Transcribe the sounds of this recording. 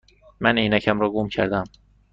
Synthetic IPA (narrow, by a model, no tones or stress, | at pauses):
mæniːnæcʰæmɾɒːɡomcʰæɾd̪æm